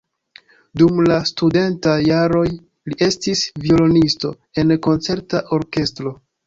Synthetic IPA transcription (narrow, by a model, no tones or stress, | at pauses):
dumlastude̞ntajaɾo̞j | liʔe̞stisvio̞lo̞nisto̞̰ | e̞nko̞nt͡se̞ɾtaʔo̞ɾke̞stɾo̞